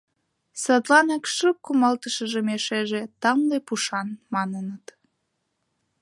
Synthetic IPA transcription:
sɑt̪lɑnɑkʃək̚kːumɑlt̪əʃəʒemeʃeʒet̪ɑmlepuʃɑnmɑnənət̪

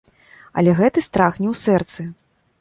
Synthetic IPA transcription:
ɐ̰lʲɛɣɛt̪ɨst̪ɾaxnʲɛwsɛrt̪sɨ

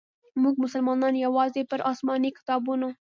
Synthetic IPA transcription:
muɡ̚mʊsəlmɑnɑnjawɑzepəɾʔɑsmɑnikɪ̥t̪ɑbuno

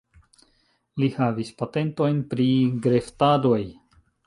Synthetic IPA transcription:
lihavispate̞nto̞jnpɾiɡɾe̞ftado̞j

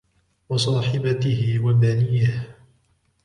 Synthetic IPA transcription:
wɑsˤɑːħɪbat̪ɪhɪwabanɪjːah

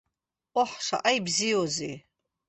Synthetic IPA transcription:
oħʂa̰ʔajbziozi

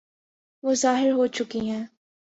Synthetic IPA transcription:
ʋoːzaːɦɪɾɦoːt͡ʃʊkiɦɛ̃ː

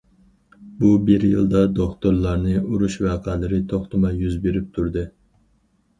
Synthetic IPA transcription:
bubɪɾjɨ̰lˠd̪ɑd̪oχt̪oɾlˠɑɾnɨuɾuʃwæːqʰæːlɪɾɪt̪ʰoχt̪ɨmɑjyzbeɾɪp̚t̪ʰuɾd̪ɨ

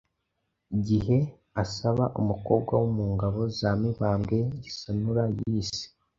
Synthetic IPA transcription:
iɟihe̞ | asaβaʔumuko̞ːb̚ɡwawumuːŋɡaβo̞zaːmiβaːmɡe̞ɟisanuɾajiːsi̥

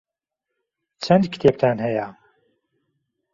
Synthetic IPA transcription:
t͡ʃʰɐnd̪kʰɨ̥t̪ʰeːp̚t̪ʰaːnɦɛja

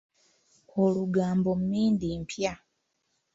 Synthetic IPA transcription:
oluɡaːmbo̞mumiːndimpʰja

